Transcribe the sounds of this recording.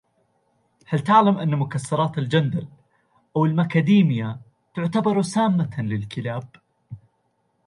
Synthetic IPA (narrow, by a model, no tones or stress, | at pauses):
halt̪ɪʕlamʔanːmʊkasːɑɾˤɑːt̪ɪld͡ʒand̪al | ʔawɪlmʔakad̪iːmɪja | t̪ʊʕt̪abɑɾˤusaːmːalɪlkɪlaːb̚